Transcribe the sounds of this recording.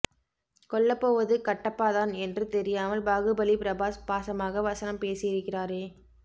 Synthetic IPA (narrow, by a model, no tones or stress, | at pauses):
kɔɭːɐpːoːʋɐðɯkɐʈːɐpːaːðaːnɛndrɯt̪ɛɾɪjaːmɐlbaːɣɯbɐlipɪɾɐbaːspaːsɐmaːɣɐʋɐsɐnɐmpeːsɪjɪɾɯkːɪraːɾeː